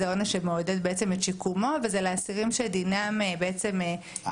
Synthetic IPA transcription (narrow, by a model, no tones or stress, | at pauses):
onaʃemood̪ed̪̚beet͡semet̪ʃikumo̞vezeleasiʁimʃed̪inamebeet͡se̞me